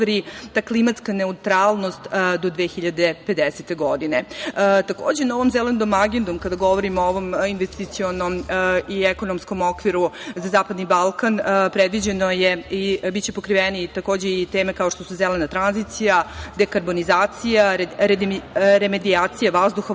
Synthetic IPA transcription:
ɾit̪aːklˠimat̪skaneut̪ɾaːlˠnost̪d̪o̞d̪ʋeːçiʎad̪epe̞d̪eset̪e̞ɡo̞d̪inet̪akoːd͡ʑenao̞ʋo̞mzelend̪omaɡend̪omkad̪aɡo̞ʋoɾimooʋo̞minʋest̪it̪sionomieko̞nomsko̞mo̞kʋiɾuzazaːpad̪nibalˠkanpɾed̪ʋid͡ʑenojeibit̪t͡ɕepo̞kɾiʋenit̪ako̞ːd͡ʑeit̪eːmekao̞ʂt̪o̞suzelenat̪ɾanzit̪sijad̪ekaɾbo̞nizaːt̪sijaɾɾeɾemed̪iaːt̪sijaʋazd̪uxo

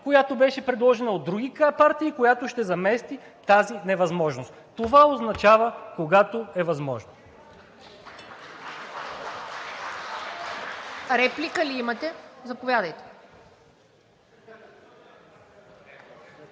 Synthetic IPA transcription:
kojat̪obɛʃɛpɾɛd̪lˠɔʒɛnɐod̪ːɾuɡʲikapaɾt̪iːkojat̪oʃt̪ɛzɐmɛst̪i | t̪azinɛvɐzmɔʒnost̪t̪ovaoznɐt͡ʃavəkoɡat̪oɛvɐzmɔ̰ʒno | ɾɛplikəliimɐt̪ɛzɐpovʲjad̪əjt̪ɛ̥

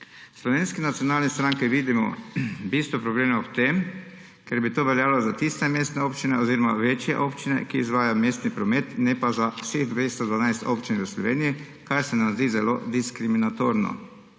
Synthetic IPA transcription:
slɔʋenskɛnat̪sijɔnaːlnɛst̪ɾaŋkiʋiːd̪imɔ̰biːst̪ʋɔpɾɔbleːmɔpt̪em | kɛɾbit̪oːʋɛljaːlɔzat̪ist̪ɛmeːst̪nɛoːpt͡ʃinɛoziːɾɔmaʋeːt͡ʃjɛ̰ʔoːpt͡ʃinɛ̰kiːzʋaːjamest̪nipɾɔmeːt̪nɛpazawseɣd̪ʋest̪ɔd̪ʋanajst̪opt͡ʃinʋəslɔʋeːniji | kaɾsɛnamzd̪iːzɛlo̰d̪iskɾiminat̪oɾnɔ̰

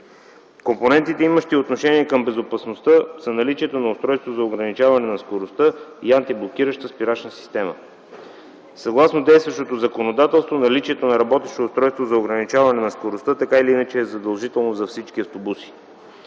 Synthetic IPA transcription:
komponɛnt̪it̪ɛiməʃt̪iot̪noʃɛniɛkəmbɛzopɐsnost̪ɤz̥ɐnɐlit͡ʃiɛt̪onɐʊst̪ɾɔjst̪vozɐoɡɾɐnit͡ʃavɐnɛnɐskoɾost̪ɤiant̪iblˠok̟iɾəʃt̪əspiɾat͡ʃnəsi̥st̪ɛmə̰ | sɐɡlˠasnod̪ɛjst̪vɐʃt̪ot̪ozɐkonod̪at̪ɛlˠst̪vonɐlit͡ʃiɛt̪onɐɾɐbɔt̪ɛʃt̪oʊst̪ɾɔjst̪vozɐoɡɾɐnit͡ʃavɐnɛnɐskoɾost̪ət̪ɐkailiinət͡ʃɛzɐd̪ɐlˠʒit̪ɛlˠnozɐfsit͡ʃkʲiɐft̪obusi̥

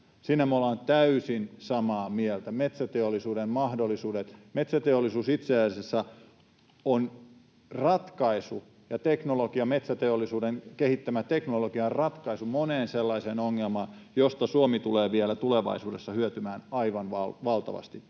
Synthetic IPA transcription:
siːnæmolɑːnt̪æysinsɑmɑːmielt̪æmet̪sæt̪eolːˑisuːdemmɑhdolːisuːdet̪met̪sæt̪eolːˑisuːsit̪sesesːɑ | on | rɑt̪kɑisu | jɑt̪eknoloɡiɑmet̪sæt̪eolːˑisuːdeŋkehit̪ːæmæt̪eknoloɡiɑrrɑt̪kɑisumoneːnselːɑiseːnoŋːelmɑːn | jost̪ɑsuomit̪uleːʋielæt̪uleʋɑ̰isuːdesːɑhyøt̪ymæːnɑiʋɑnʋɑlʋɑlt̪ɑ̰ʋɑ̰st̪i

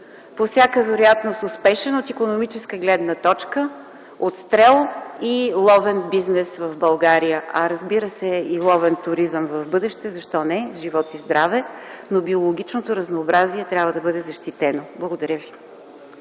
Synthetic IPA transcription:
pofsʲjakəvɛɾojat̪nosʊspɛʃɛnot̪ikonomit͡ʃɛskəɡlɛd̪nət̪ɔt͡ʃkə | ot̪st̪ɾɛlˠilˠɔvɛnbiznɛsvəvbɐlˠɡaɾijəʔɐɾəzbiɾəsɛilˠɔvɛnt̪ʊɾizəmvəvbɤd̪ɛʃt̪ɛzɐʃt̪ɔnɛʒivɔt̪izd̪ɾavɛnobiolˠoɡ̟ʲit͡ʃnot̪oɾəznoːbɾaziɛt̪ɾʲabvəd̪ɐbɤd̪ɛzɐʃt̪it̪ɛnoblˠəɡod̪ɐɾjəvi

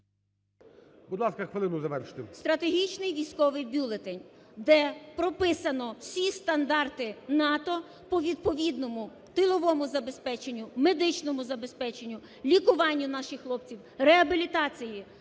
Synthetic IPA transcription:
bʊd̪lˠɑskɐxʋelˠɪnʊzɐʋɛrʃɪ̥t̪ɪmst̪ɾɐt̪eɦʲit͡ʃnɪjʋʲijsʲkɔʋɪjbʲulˠet̪enʲd̪ɛpɾɔpɪsɐnɔwsʲist̪ɐnd̪ɑrt̪ɪnɑt̪ɔ | pɔʋʲid̪̚pɔʋʲid̪nɔmʊ | t̪ɪlˠɔʋɔmʊzɐbe̞spɛt͡ʃenʲːʊmed̪ɪt͡ʃnɔmʊzɐbe̞spɛt͡ʃenʲːʊ | lʲikʊʋɑnʲːʊnɑʃɪxːlˠɔpt͡sʲiwreɐbʲilʲit̪ɑt͡sʲiji

